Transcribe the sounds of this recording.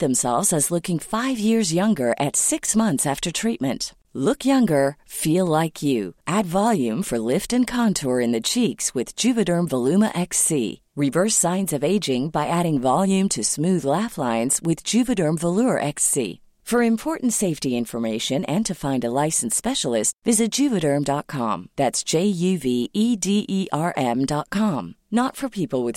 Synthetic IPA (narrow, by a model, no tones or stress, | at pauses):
ðɨ̃msɛ̰lˠvzɨzlʊkɪ̃ŋfaɪvjɪɹzjʌ̃ŋɡə˞ʔɨtsɪksmʌ̃nθsæftə˞tʰɹ̥it̚mɨ̰̃nt | lʊkjʌ̃ŋɡə˞filˠlaɪkʰjɨ̰ʔædvɑlˠjʉ̃ɱfə˞lɪftɨ̃nkʰɑ̃ntʰɔɹɨ̃nðɨt͡ʃʰikswɨð̥d͡ʒʉvɨɾɜ̃˞mvəlʉmə̰ʔɛksḭ | ɹɪvɜ˞sãɪ̃nzʌveɪd͡ʒɪ̃ŋbaɪʔæɾɪ̃ŋvɑlˠjʉ̃mtʰɨsmʉðlæflãɪ̃nz̥wɪðd͡ʒʉvɨɾə̃˞ɱvəlʊɹʔɛksḭ | fə˞ɨ̃mpʰɔɹʔn̩tseɪftiɪ̃ɱfə˞meɪʃɨ̃nɨ̃ntʰɨfãɪ̃ndəlaɪsn̩spɛʃl̩ˠɪstvɪzɨt̚d̥ʒ̥ʉvɨɾə̃˞mdɑt̚kʰɑ̰̃mðætsd̥ʒ̥eɪjʉviʔidiʔiʔɑɹʔɛ̃mdɑt̚kʰɑ̃m | nətfə˞pʰipl̩ˠwɨð